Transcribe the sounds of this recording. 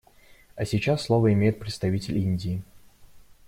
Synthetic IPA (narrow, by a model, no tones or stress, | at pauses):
ɐsʲɪt͡ɕasːlˠovəɪmʲejɪt̪̚pɾʲɪt̪st̪ɐvʲitʲɪlʲinʲdʲɪː